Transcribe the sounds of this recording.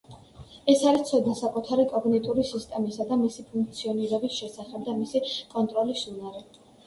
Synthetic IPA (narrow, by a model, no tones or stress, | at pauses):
ɛsaɾist̪sʰɔd̪nasakʼut̪ʰaɾikʼɔɡnɛt̪ʼuɾisist̪ʼɛmisad̪amisipʰuŋk̚ʰʼt̪sʰiɔniɾɛbisʃɛsaχɛb̚d̪amisikʼɔnt̪ʼɾɔlisunaɾɛ